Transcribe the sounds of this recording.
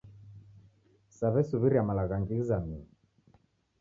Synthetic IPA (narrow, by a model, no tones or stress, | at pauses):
saβɛsuβiɾiamalaɣaŋɡizami